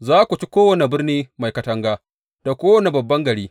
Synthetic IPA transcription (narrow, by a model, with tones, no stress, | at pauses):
zaː˦kʷu˨t͡ʃi˦kʷoː˦wɐ˨ne˨bɪ˦rniː˦ma˨jkɐ˨˦tɐ˦ŋɡaː˦ | d̥a˨kʷoː˦wɐ˦˨ne˨bɐ˨bːɐ˦ŋɡɐ˨ɽiː˦